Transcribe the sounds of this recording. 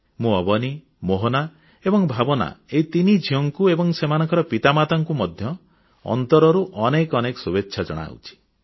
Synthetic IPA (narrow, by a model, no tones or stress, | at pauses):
mũɔbɔni | moɦona | ebɔŋbʱabɔna̰et̪inid͡ʒʱiɔŋkuebɔŋsemanɔ̃ŋkɔɾɔpit̪amat̪aŋkumɔd̪ʱjɔ | ɔ̰nt̪ɔɾɔɾuʔɔnekɔnekɔ̥subetːʃʰad͡ʒɔɽ̃a̰wt͡ʃʰi̥